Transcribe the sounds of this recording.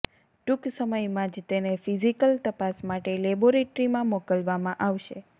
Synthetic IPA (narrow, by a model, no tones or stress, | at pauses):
ʈuksəməjmãd͡ʒt̪enefizikəlt̪əpasmaʈeleboɾeʈɾimãmɔkəlʋamãʔaʋʃe